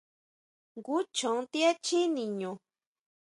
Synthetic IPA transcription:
ŋɡu˦t͡ʃõ˨˦t̪i˦e˦t͡ʃi˦nĩ˨ɲõ˨

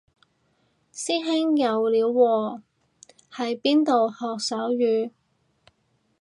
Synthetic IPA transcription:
siː˥ɦɪ˥ŋjɐ˨˧wliː˨˧wːɔː˨˧ | hɐ˨jpiː˥nt̪o˨whɔː˨k̚sɐː˨˥wjyː˨˧

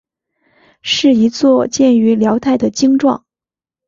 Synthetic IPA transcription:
ʂɻ̩˥˩i˧˥t͡swɔ˥˧t͡ɕjɛ˥˩ny˧˥ljɑ˧˥ʊt̪ʰa˥˩ɪd̪ə˩t͡ɕi˥ŋʈ͡ʂwɑ̰˥˩ŋ

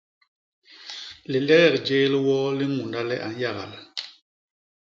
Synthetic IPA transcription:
li˨lɛ˦ɣɛ˦˨kd͡ʒeː˦lwɔ˦li˦ŋu˨nda˦lɛ˦ʔa̰˨n˦ja˦˨ɣa̰˨l

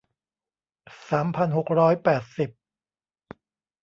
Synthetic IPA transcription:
saː˩˦mpʰa˧nɦo˨˩k̚ɾɔː˦˥jpɛː˨˩t̪̚si˨˩p̚

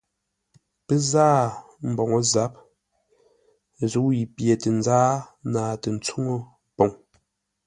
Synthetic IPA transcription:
pe˦zaː˦ | m̩˨bɔ˨ŋo˦za˨˦p̚ | zu˨˦i˨pje˨te˨n˦d͡zaː˦naː˨te˨n̩˨t͡su˦ŋo˦ | po˨ŋ

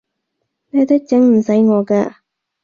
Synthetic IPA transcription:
nɛː˥t̪ɪ˥k̚t͡sɪ˨˥ŋm̩˨˩sɐ˨˥jŋɔː˨˧ka̰ː˧

